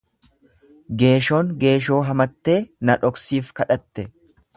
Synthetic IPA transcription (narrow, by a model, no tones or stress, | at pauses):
ɡe̞ːʃoːŋɡe̞ːʃo̞ːɦɐmɐt̪ːe̞ːnɐᶑɔksiːfkɐᶑɐt̪ːɛ